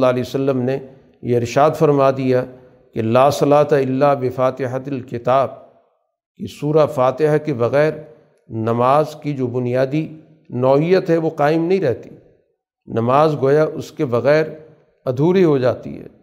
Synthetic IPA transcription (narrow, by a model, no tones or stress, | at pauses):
lːaːliːosɐlːəmne | jeɪɾʃaːd̪fɐɾmad̪ija | kelaːsɐlaːt̪aɪlːabɪfaːt̪ɪɦaɪlkɪt̪aːb̚ | kisuːɾafaːt̪ɪɦakebɐɣɛːɾ | nɐmaːzkid͡ʒoːbʊnijaːd̪i | nɔːijət̪ɦɛʋoqaːɪmnɐɦĩɾɛɦt̪i̥ | nɐmaːzɡoːjaʔʊskebɐɣɛːɾ | ɐd̪ʱuːɾiɦod͡ʒaːt̪ḭɦɛ̰ː